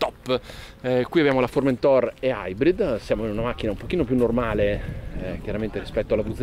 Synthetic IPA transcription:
t̪ɔpː | kwiabjaːmolaforment̪ɔrea̰jbɾid̪sjaːmoinunamak̟ːinaumpokiːnopjunːormaːlek̟jaɾament̪eɾispɛt̪ːoalavut̪ː

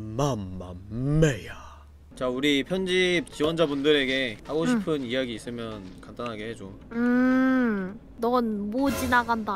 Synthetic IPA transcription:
mamːa̰mmeja | t͡ɕauɾipʰjʌnd͡ʑip̚t͡ɕiwʌnd͡ʑabundɯɾe̞ɡe̞haɡoɕʰipʰɯnijaɡiːs͈ɯmjʌnkamt͈anɦaɡe̞ɦed͡ʑo | ɯ | nʌnmod͡ʑinaɡanda

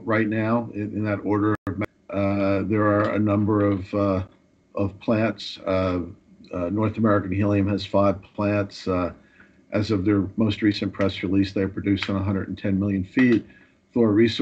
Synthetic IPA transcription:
ɹaɪtⁿnaʊɪ̃nðɨɾɔɹɾə˞ʌvm | ðə˞ːɨ̰nʌ̃mbə˞ʌv | ʔʌv̥pʰl̥æ̃nts | nɔɹθəmɛɹɨkɨ̃n̩ɦɪlˠjɨ̃mɨz̥faɪv̥pʰl̥æ̃nts | ʔɨzʌvðə˞moʊst̚ɹisɨ̃npʰɹ̥ɛsɹilisðeɪə˞pʰɹ̥ɨdʉstn̩əɦʌ̃ndɹɨ̰dn̩tʰɛ̃nmɪlˠjɨ̃nfit̚ | θɔɹɹis

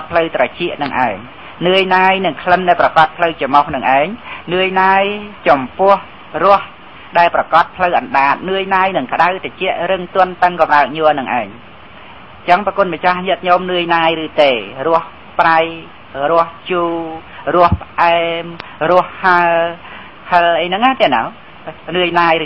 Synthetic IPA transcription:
pʰləwt̪rat͡ɕiəʔnɨŋʔa̰ɛŋ | nɨəjnaːjnɨŋkʰlənɗaɛlprɑkɑt̪̚pʰləwt͡ɕɑmohnɨŋʔaɛŋnɨəjnaːjt͡ɕɑmpʊ̆əh | rʊ̆əh | ɗaɛlprɑkɑt̪̚pʰləwʔɑnɗaːt̪̚nɨəjnaːjnɨŋkə̆ɗawt̪at͡ɕɛ̆əʔɾɨŋt̪ʊ̆ənt̪əŋkɑmɗaək̚ɲuənɨŋʔa̰ɛŋ | t͡ɕəŋpːkuənmət͡ɕahɲɨət̪̚ɲomnɨəjnaːjrɨːt̪eːrʊ̆əh | praj | rʊəht͡ɕuːrʊəhpə̆ʔaɛmrʊ̆əhhaə | pʰəlʔəjnɨŋʔaːt̪ɛnaw | nɨəjnaːj

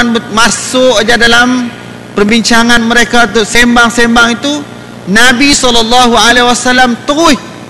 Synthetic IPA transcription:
nbət̪̚masʊʔd͡ʒadalam | pərbiɲt͡ʃaŋanməɾekaunt̪ʊʔsɛmbaŋsɛmbaŋit̪u | nabisɔlːɔlːaɦualewasalamt̪əʊh

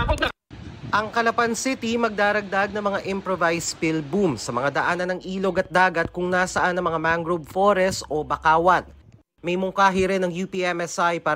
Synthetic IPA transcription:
ʔɐŋkɐlɐpɐnsɪt̪imɐɡ̚d̪aːɾɐɡ̚d̪aɡ̚nɐmɐŋaʔɪmpɾovajspɪlbumsɐmɐŋad̪ɐʔaːnɐnɐŋʔiːlo̞ɡɐt̪̚d̪aːɡɐt̪̚kʊŋnaːsɐʔanɐŋmɐŋamaŋɡɾob̚foɾɛsʔo̞bɐkaːwɐn | mɐjmʊŋkaːɦiɾɛnɐŋjupiʔɛmɛsajpaː

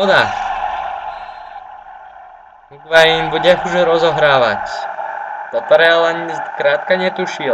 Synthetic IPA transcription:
ɔd̪ax | ukʋajimbuɟɛuʒɾɔzɔɦɾaːʋa̰c | d̪̥ɔpɾɛalɛɲzkɾaːt̪̚kaɲɛt̪uʃi

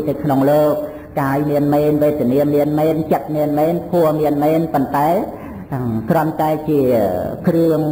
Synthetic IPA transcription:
nəwkʰnoŋloːk̚ | kaːjmiənmɛːnʋeːt̪əniənmiənmɛːnt͡ɕət̪̚miənmɛːnpʰuəmiənmɛːnpont̪aɛ | krŏənt̪aɛt͡ɕiəkrɨəŋ

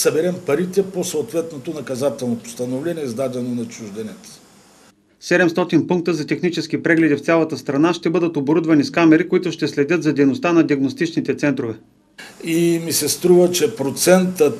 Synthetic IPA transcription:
səbɛɾɛmpɐɾit̪ɛposoːt̪vɛt̪not̪onɐkɐzat̪ɛlˠnopo̥st̪ɐnovlɛniɛzd̪ad̪ɛnonɐt͡ʃuʒd̪ɛnɛt̪ə̥ | sɛd̪ɛmst̪ɔt̪inpuŋk̚t̪əzɐt̪ɛxnit͡ʃɛsk̟ipɾɛɡlɛd̪ift̪sʲalˠɐt̪əst̪ɾɐnaʃt̪ɛbɤd̪ət̪oboɾud̪vɐniskamɛɾikoit̪ʊʃt̪ɛslɛd̪ʲɤt̪zɐd̪ɛjnost̪anɐd̪iəɡnost̪it͡ʃnit̪ɛt̪sɛnt̪ɾovɛ | imisɛst̪ɾuvət͡ʃɛpɾot̪sɛnt̪ə

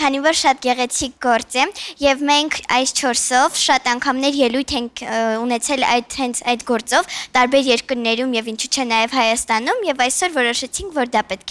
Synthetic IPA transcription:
kʰɑnivɔɾʃɑt̪ɡɛʁɛt͡sʰik̚ɡɔɾt͡sɛjɛvmɛŋkʰɑjst͡ʃʰɔɾsɔvʃɑt̪ɑŋkʰɑmnɛɾjɛlujt̪ʰɛŋkʰunɛt͡sʰɛlɑ̰jt̪hɛnt͡sʰɑjd̪ɡɔɾt͡sɔvt̪ɑɾbɛɾjɛɾkəɾnɛɾumjɛvint͡ʃʰut͡ʃʰɛnɑjɛvhɑjɑst̪ɑnumjɛvɑjsɔɾvɔɾɔʃɛt͡sʰiŋkʰvɔɾd̪ɑpɛt̪̚kʰɛ

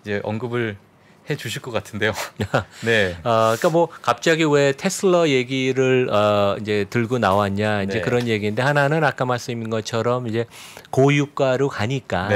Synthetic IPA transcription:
id͡ʑe̞ʔʌŋɡɯbɯɭ | he̞t͡ɕuɕʰiɭk͈ʌk͈atʰɯnde̞jone̞ʌkik͈amwʌkap̚t͡ɕ͈aɡiwe̞tʰe̞sʰɯɭːʌje̞ɡiɾɯɭʌind͡ʑe̞tɯɭɡonawaɦaɲaind͡ʑe̞kɯɾʌnje̞ɡinde̞hananɯnak͈amaɭs͈ɯminɡʌt͡ɕʰʌɾʌmid͡ʑe̞kojuk̚k͈aɾokaɲik͈a

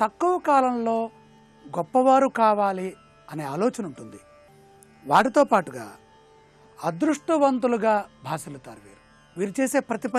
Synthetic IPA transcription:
t̪ɐkːuʋɐkaːlɐmlo̞ː | ɡɔpːɐʋaːɾukaːʋaːli | ɐne̞ːaːlɔːt͡ʃɐnuɳʈund̪i | ʋaːʈit̪o̞ːpaːʈuɡa̰ː | ɐd̪ɾuʂʈuʋɐnt̪uluɡaːbʱaːsilut̪aːɾuʋḭːɾu | ʋiːɾut͡ʃe̞ːse̞ːpɾɐt̪ipɐ

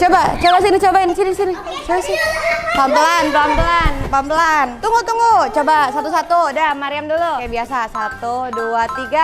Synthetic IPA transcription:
t͡ʃobat͡ʃobas̬init͡ʃobaɪnsinisini | t͡ʃobasɪpampəlanpəlampəlanpampəlant̪uŋut̪uŋut͡ʃobasat̪us̬at̪udamaɾiamdulukajabiasasat̪uduat̪iɡa

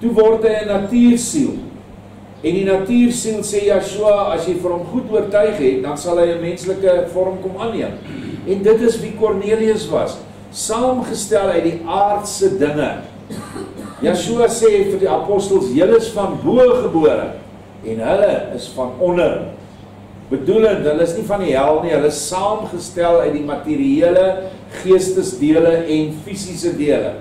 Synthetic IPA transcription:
tuvɔrtɦəjənɐtiːrsil | ɛndinɐtiːrsilˠseːjɑʃuɑɐsjəjfəɾɦɔmχutuərtɐjχɦɛt̚dɐnsɐlˠɦəjəmɛnsləkəfɔrɦɔmkɔmɐnːiəm | ɛndətəsvikɔrniəliəsvɐ̰s | sɑːmχəstælˠɦəjdiʔɑːrtsədəŋə̰ | jɑːʃuɐsɛːɦɛtotdiɐpɔstəlˠsjələəsfɐnbuəχəbuəɾə̰ | ɛnɦələəsfɐnɔnər | b̥əduləntɦələəsnifɐniɦælˠniɦələəssɑːmχəstælˠœɥt̚dimɐtiɾiiələ | χiəstəsdiələʔɛnfisisədiələ̰

